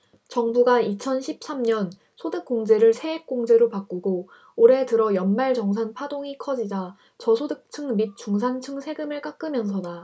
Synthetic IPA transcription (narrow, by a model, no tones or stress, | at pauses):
t͡ɕʌŋbuɡait͡ɕʰʌnɕʰip̚s͈amɲʌn | sʰodɯk̚k͈oŋd͡ʑe̞ɾɯɭsʰe̞ek͈oŋd͡ʑe̞ɾopak͈uɡo | oɾe̞tɯɾʌjʌnmaɭt͡ɕʌŋsʰanpʰadoŋikʰʌd͡ʑid͡ʑa | t͡ɕʌsʰodɯk̚t͡ɕʰɯŋmit̚t͡ɕ͈uŋs̬ʰant͡ɕʰɯŋsʰe̞ɡɯmɯɭk͈ak͈ɯmjʌns̬ʰʌda